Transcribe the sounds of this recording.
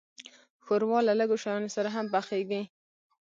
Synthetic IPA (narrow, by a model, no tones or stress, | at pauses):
xoɾwɑlaləɡoʃajɑnosaɾaɦampaxeɡi